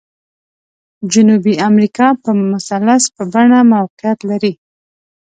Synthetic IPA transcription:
d͡ʒʊnubiamɾikɑpəmʊsalaspəbaɳamawqɪjat̪laɾi

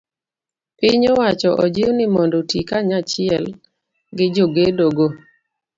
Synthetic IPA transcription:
pɪɲɔwat͡ʃɔʔɔd͡ʒɪwnɪmɔndotikaɲat͡ʃɪɛl | ɡɪd͡ʒoɡedoɡo

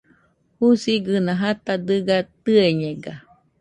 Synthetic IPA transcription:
husiɡɨnãɦat̪ad̪ɨɡat̪ɨeɲeɡa

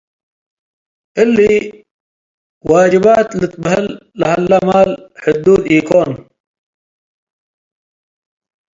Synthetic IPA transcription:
ɪlːi | waːd͡ʒibaːt̪lət̪bɦɪlːahɐlːɐmaːlħʊd̪uːd̪iːkoːn

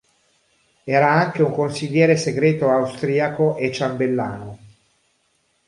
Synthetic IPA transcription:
ɛːɾaaŋk̟euŋkonsiʎːɛːɾeseɡɾeːt̪oawst̪ɾiːakoʔet͡ʃːambelːaːno

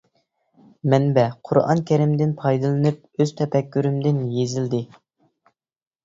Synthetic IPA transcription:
mɛnbɛqʰʊɾɑ̰ŋkʲʰæɾɪmd̪ɪnpʰɑjd̪ɨlˠɨnɨp̚ | øz̥t̪ʰɛpʰɛkʲːyɾymd̪ɪnjezɪld̪ɪ

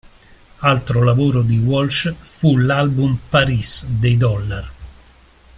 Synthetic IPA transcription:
alt̪ɾolavoːɾod̪iwɔlt͡ʃfulalbumpaɾisd̪ejd̪ɔlːar

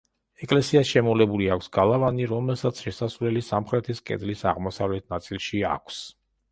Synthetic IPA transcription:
ɛkʼlɛsiasʃɛmɔlɛbuliakʷʰsɡalˠavaniɾɔmɛlˠsat̪sʰʃɛsasvlɛlisamχɾɛt̪ʰiskʼɛ̰d̪lisa̰ʁmɔsavlɛt̪̚ʰnat̪sʼilˠʃia̰kʷʰs

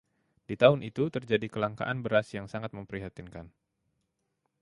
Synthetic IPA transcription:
dit̪aʊnʔit̪ut̪ərd͡ʒadikəlaŋka̰ʔanbəɾasjaŋsaŋat̪̚məmpəɾiɦat̪inkan

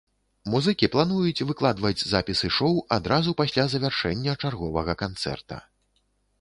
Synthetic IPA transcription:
muzɨkʲiplˠanujut͡sʲvɨklˠad̪vɐd͡zʲzapʲisɨʂɔwad̪ɾazupasʲlʲazɐvʲarʂɛnʲːɐt͡ʂarɣɔvɐɣɐkant̪sɛ̰rt̪ɐ̰

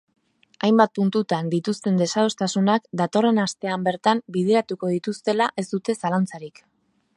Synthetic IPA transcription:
ajmbat̪̚punt̪ut̪and̪it̪ust̪e̞nd̪e̞saðo̞st̪asunakd̪at̪o̞re̞nast̪e̞ambe̞ɾt̪ambið̞eɾat̪uko̞ðit̪ust̪e̞laʔe̞zd̪ut̪e̞salant͡saɾik

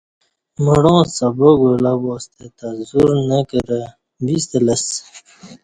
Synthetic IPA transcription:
məɽõːsaboɡolaboːst̪et̪azuɾnəkəɾə | bist̪ələs

